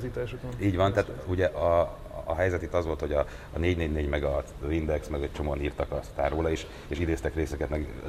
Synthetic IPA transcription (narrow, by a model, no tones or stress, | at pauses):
zit̪aʃokiːɟʋɒnt̪ɛaːt̪uɟɛʔɒː | ɦɛjzɛt̪it̪ːɒzʋolt̪ho̞ɟɒː | neːɟneːɟneːɟmɛɡɒ | vind̪ɛksmɛɡec̚t͡ʃo̞moːɒniːrt̪ɒkɒst̪aːɾoːlɒeːʃ | eːʃid̪eːst̪ɛkreːsɛkɛt̪mɛɡ